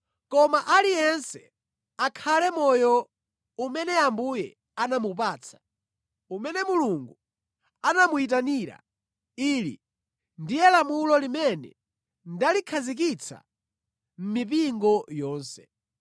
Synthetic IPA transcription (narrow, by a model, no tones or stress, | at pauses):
kɔmaʔalijɛnsɛ | akʰalɛmɔjɔ | umɛnɛambujɛ | anamup̬aːt͡sʰḁ | umɛnɛmuluŋɡu | anamuit̬aniɾa̰ | iːlḭ | ndijɛlamulɔlimɛnɛ̰ | ndalikʰazik̬it͡sʰa̰ | m̩mip̬iŋɡɔjɔːnsɛ̥